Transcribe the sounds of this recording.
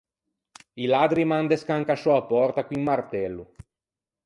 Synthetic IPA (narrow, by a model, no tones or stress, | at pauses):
ilad̪ɾimand̪eskaŋkasɔapɔrt̪akwimmart̪ɛlːu